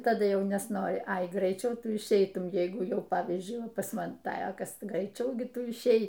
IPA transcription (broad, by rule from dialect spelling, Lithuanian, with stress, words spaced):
tɐˈdʊ ˈjɛʊ nʲɛsˈnoːrʲɪ ɐɪ ɡrɐɪˈt͡ʃʲɛʊ ˈtʊ ɪʃʲˈɛɪtʊm ˈjɛɪɡʊ ˈjɛʊ ˈpɑːʋʲiːzʲd͡ʒʲʊɪ pɐs ˈmɐn ˈtɐ ˈjoːkʲoːs ɡrɐɪˈt͡ʃʲɛʊ ˈɡʲɪ ˈtʊ ɪʃʲˈɛɪ